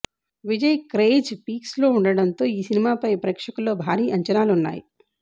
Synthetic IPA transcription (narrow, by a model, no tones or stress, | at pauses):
ʋid͡ʒɐjkɾeːd͡ʒpiːkslo̞ːuɳɖɐɽɐnt̪o̞ːiːsinimaːpɐjpɾɛːkʂɐkulːo̞ːbʱaːɾiːʔɐɲt͡ʃɐnaːlunːa̰ːjḭ